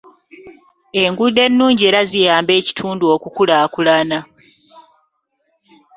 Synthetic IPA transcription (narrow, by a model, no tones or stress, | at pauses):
e̞ŋɡude̞nːuːɲɟie̞ːɾazijaːmbe̞ːci̥tʰuːnduo̞kukulaːkulana